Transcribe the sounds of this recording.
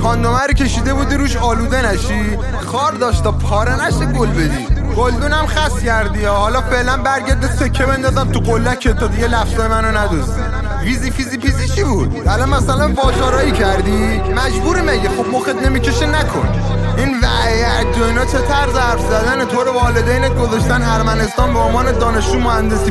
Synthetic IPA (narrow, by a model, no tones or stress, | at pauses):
kʰɒːnd̪omæɾicʰe̞ʃiːd̪e̞bud̪iɾuːʃɒːluːd̪enæʃi | xɒːɾd̪ɒːʃt̪ʰɒːpʰɒːɾenæʃiɡolbed̪iːɡ̥old̪uːnæmxæscæɾd̪iɒːhɒːlɒːfeʔlænbæɾɟæɾd̪ese̞cʰːebe̞nd̪ɒːzæmt̪uɣolːæcʰːet̪ʰːɒd̪iɟelæfz̥ɔːjemænonæd̪ozd̪i | vizifizifizit͡ʃʰibud̪ælɒnmæsælæmbɒːd͡ʒɒːɾɒːicʰæɾd̪i | mæd͡ʒbuɾimæɟexo̞b̚moxet̪nemiceʃenækʰo̰n | ʔinvæ̰ʔæt̚d̪oinɒt͡ʃʰe̞t̪ʰæɾzhæɾfzæd̪ænet̪ʰoɾevɒːled̪ejneɡozɑʃt̪ænæɾmæne̞st̪ɒːnbeonmɒːned̪ɒːne̞ʃuːmohænd̪e̞siː